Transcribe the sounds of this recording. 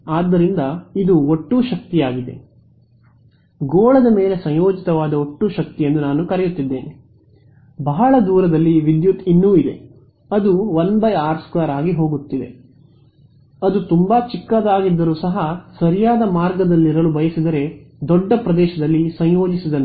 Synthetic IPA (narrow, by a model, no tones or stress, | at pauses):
aːd̪ːɐɾind̪ɐid̪uoʈːuːʃɐk̚t̪ijaːɡid̪e̞̰ | ɡoːɭɐd̪ɐme̞ːle̞sɐ̃ɲjoːd͡ʒit̪ɐʋaːd̪ɐoʈːuʃɐk̚t̪ijenːunaːnukɐɾɛjut̪ːid̪ːe̞ːni | bɐɦɐɭɐd̪uːɾɐd̪ɐlːiʋid̪jut̪inːuːid̪e̞̰ | ɐd̪uʋɐnbɐjaːɾskaːɾaːɡiɦo̞ːɡut̪ːid̪e̞̰ | ɐd̪ut̪umbat͡ʃikːaːd̪aːɡid̪ːɐɾuːsɐɦɐsɐɾijaːd̪ɐmaːɾɡɐd̪ɐlːiɾɐlubɐjɐsid̪ɐɾe̞d̪ɔɖːɐpɾɐd̪ɛːʃɐd̪ɐlːisɐ̃ɲjo̞ːd͡ʒisid̪ɐn